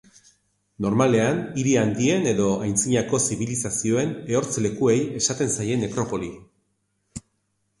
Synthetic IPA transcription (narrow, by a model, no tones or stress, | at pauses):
no̞ɾmale̞aniɾiand̪ie̞ne̞ðo̞ajnt͡siɲako̞siβilisasio̞e̞ne̞o̞ɾt͡sle̞kue̞je̞sat̪e̞nsaje̞ne̞kɾo̞po̞li